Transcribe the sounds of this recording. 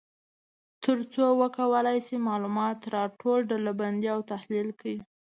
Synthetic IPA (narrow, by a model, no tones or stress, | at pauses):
t̪əɾt͡sowəkawəlajsimɑlumɑt̪ɾɑʈolɖalaband̪jawt̪ahlilkwi